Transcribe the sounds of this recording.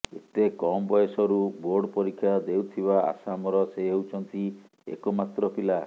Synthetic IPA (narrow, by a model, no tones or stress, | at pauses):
ḛt̪ekɔmbɔjesɔɾuboɾɖɔpɔɾikʰːjad̪ewt̪ʰiβaa̰samɔɾɔseɦewt͡ʃʰɔnt̪i | ḛkɔmat̪ɾɔpila